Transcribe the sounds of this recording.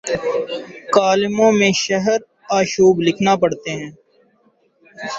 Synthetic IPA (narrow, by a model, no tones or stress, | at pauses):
kaːlɪmõːmẽʃəɦəɾ | aːʃuːblɪkʰnapəɽt̪eːɦɛ̃ː